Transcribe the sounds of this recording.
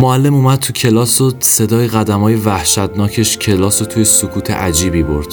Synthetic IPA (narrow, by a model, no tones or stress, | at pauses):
moælːe̞mumæd̪̚t̪ʰucʰe̞lɒːsose̞d̪ɒːjeɣæd̪æmɒːje̞væhʃæt̪nɒːcʰe̞ʃcʰe̞lɒːsot̪ʰujesokʰuːt̪ʰḛʔæd͡ʒiːbiːboɾd̪̥